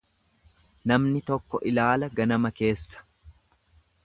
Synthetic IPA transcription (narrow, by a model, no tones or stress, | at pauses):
nɐmnɪt̪ɔkːɔʔɪlaːlɐɡɐnɐmɐke̞ːsːɐ̥